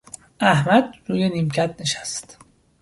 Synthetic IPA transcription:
ʔæhmæd̪̚ɾuːjeniːmcʰæt̪̚neʃæst̪

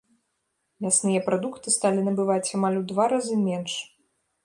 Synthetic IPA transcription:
mʲasnɨjɐpɾad̪ukt̪ɨst̪alʲinɐbɨvat͡sʲamalʲud̪vaɾazɨmʲɛnʂ

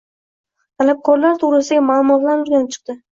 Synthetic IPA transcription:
t̪ʰalab̚kʰɒɾlaɾt̪ʰʊʁɾɪsɪɡʲamalˠʊmɒt̪lanʊɾɡʲanɪp̚t͡ʃʰɨ̥q̚t̪ɪ

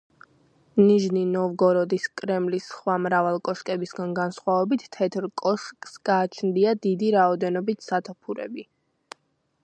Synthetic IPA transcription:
niʒninɔvɡɔɾɔd̪iskʼɾɛmlisχwamɾavalˠkʼɔʃkʼɛbisɡanɡansχwavɛbit̪ʰːɛt̪ʰɾkʼɔʃkʼsɡaːt͡ʃʰnd̪iad̪id̪iɾaɔd̪ɛnɔbit̪ʰsat̪ʰɔpʰuɾɛ̰bi

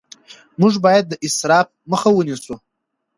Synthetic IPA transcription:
mɨʐbajet̚daʔisrap̚ʰmɨχawʊnisʼu

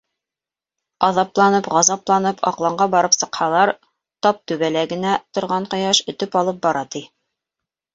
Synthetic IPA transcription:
ɑðɑplˠɑnɤpʁɑzɑplˠɑnɤpʰɑ̰qlˠɑɴɢɑbɑɾɤpsɤ̆qhɑlˠɑɾ | t̪ɑp̚t̪ʉβælæɡɘ̆næt̪ŏɾʁɑɴqŏjɑʃɵ̆t̪ɵpɑlˠɤp̚bɑɾɑt̪i

